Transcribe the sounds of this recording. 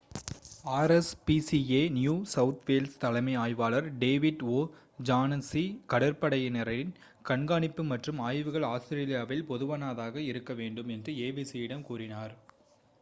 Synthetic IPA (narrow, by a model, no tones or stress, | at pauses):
aːɾɛspisieːnjuːsɐʊt̪ʰʋeːlst̪ɐlɐɪmɐɪaːjʋaːlɐɾɖeːʋɪɖoː | d͡ʒaːnɐsikɐɽɐɾpɐɽɐjɐnɛɾɐɾɪn | kɐɳɡaːɳɪpːɯmɐʈrɯmaːjʋɯɣɐɭaːsɾeːlɪjaːʋɪlpɔðɯʋɐnaːðaːɣɐɪɾɯkːɐʋeːɳɖɯmɛndrɯeːbisijɪɽɐmkuːrɪnaːɾ